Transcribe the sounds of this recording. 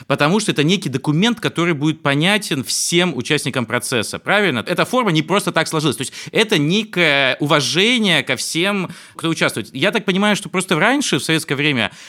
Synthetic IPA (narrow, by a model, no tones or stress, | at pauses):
pət̪ɐmuʂt̪oɛt̪ənʲekʲɪjd̪əkʊmʲe̞nt̪kɐt̪o̞ɾɨjbudʲɪt̪̚pɐnʲætʲɪnfsʲemʊt͡ɕæsʲnʲɪkəmpɾɐt̪sɛsːəpɾavʲɪlʲnəɛt̪əfo̞rmənʲɪpɾo̞st̪ət̪akslˠɐʐɨlˠəsʲt̪oɪsʲtʲɛt̪ənʲekəjəʔʊvɐʐɛnʲɪjəkɐfsʲem | kt̪oʊt͡ɕast̪vʊɪt̪jat̪ak̚pənʲɪmajʊʂt̪o̞pɾo̞st̪əɾanʲʂɨfsɐvʲetskəjəvɾʲemʲə̰